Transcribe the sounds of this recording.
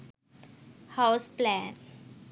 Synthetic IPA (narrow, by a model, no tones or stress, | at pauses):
hawsplɛ̃n